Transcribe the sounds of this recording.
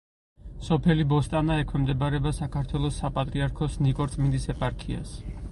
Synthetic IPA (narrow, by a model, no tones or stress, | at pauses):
sɔpʰɛlibɔst̪ʼanaɛkʰwɛmd̪ɛbaɾɛbasakʰaɾt̪ʰwɛlˠɔsːapʼat̪ʼɾiaɾkʰɔsnikʼɔɾt̪ʼmind̪isɛpʼaɾkʰia̰s